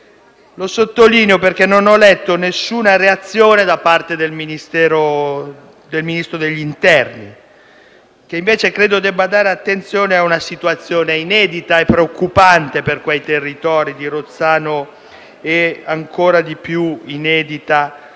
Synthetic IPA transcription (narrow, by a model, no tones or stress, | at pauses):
losot̪ːoliːneoperk̟enːonɔlɛt̪ːonesːuːnaɾeat̪sːjoːned̪apːart̪ed̪elminist̪ɛːɾo | d̪elminist̪ɾod̪eʎːint̪ɛrni | k̟eiɱveːt͡ʃekɾeːd̪od̪ɛbːad̪aːɾeat̪ːent̪sjoːneaunasit̪uat̪sːjoːneinɛːd̪it̪aepːɾeokːupant̪eperkwejt̪erːit̪ɔːɾid̪iɾot̪sːaːno | eaŋkʰoːɾad̪ipjuinɛːd̪it̪a